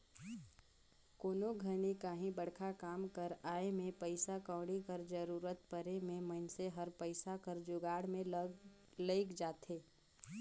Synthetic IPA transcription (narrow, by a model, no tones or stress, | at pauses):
koːnoɡʱənikaːɦĩbəɽkʰakaːmkəɾaːemẽpəɪsakə̃ːɽikəɾd͡ʒəɾuːɾət̪pəɾemẽmənseɦəɾpəɪsakəɾd͡ʒʊɡaːɽmẽl | ləɪkd͡ʒaːt̪eː